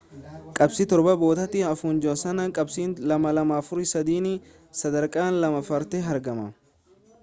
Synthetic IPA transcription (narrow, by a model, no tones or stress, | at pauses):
kʼɐbsɪt̪ɔɾbɐbo̞ːt̪ɐt̪ɪɐfuːnd͡ʒɔsɐnɐkʼɐbsiːnlɐmɐlɐmaːfʊɾɪsɐd̪iːnɪ | sɐd̪ɐɾkʼaːnlɐmɐfɐɾt̪ɛɦɐɾɡɐmɐ